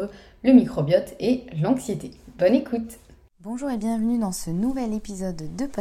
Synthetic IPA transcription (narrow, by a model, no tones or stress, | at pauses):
ləmikχɔbjɔt̪ʰelɑ̃ksjet̪ebɔnekʰut̪ | bɔ̃ʒuʁebjɛ̃vənyd̪ɑ̃sənuvɛlepizɔd̪ːəpɔ